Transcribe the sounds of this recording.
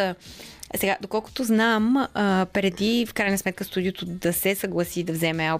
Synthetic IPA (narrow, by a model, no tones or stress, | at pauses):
sɛɡad̪okɔlˠkʊ̥t̪oznaməpɾɛd̪ifkɾajnəsmɛt̪̚kəst̪ud̪ijot̪od̪ɐsɛsəɡlˠɐsid̪ɐvzɛmɛa